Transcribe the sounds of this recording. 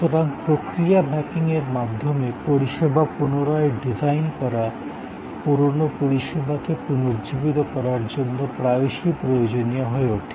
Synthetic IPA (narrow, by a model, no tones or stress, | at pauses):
t̪oɾaŋpɾokɾijabɛkiŋeɾmad̪ʱːomepoɾiʃebʱapunoɾɔeɖizajnkɔɾa | puɾonopoɾiʃebʱakepunoɾd͡ʑibit̪okɔɾaɾd͡ʑonːopɾabiʃipɾojod͡ʑonijaɦɔeoʈʰi̥